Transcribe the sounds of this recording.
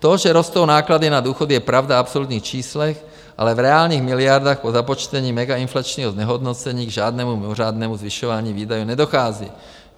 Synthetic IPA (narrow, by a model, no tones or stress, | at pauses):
t̪oʒɛɾost̪ownaːklad̪inad̪uːxod̪jɛpɾavd̪aapsolut̪ɲiːxt͡ʃiːslɛx | ʔa̰lɛvɾɛaːlɲiːɣmilɪjaɾd̪aːxpozapot͡ʃt̪ɛɲiːmɛɡainflat͡ʃniːɦɔzɲɛɦɔd̪not͡sɛɲiːɡʒaːd̪nɛmumimoraːd̪nɛmuzviʃoʋaːɲiːviːd̪ajunɛd̪oxaːzḭː